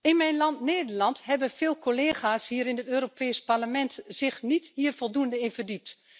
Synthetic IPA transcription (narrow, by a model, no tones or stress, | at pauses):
ɪnmɛjnlɑntneːdəɹlɑntɦɛbənvɪːlˠkʰoleːxaːshiːɾɪnətøːɾopʰɛːspaɹləmɛntz̥ɪxnithiːəɹfɔlˠduəndəɪnvərdip̚t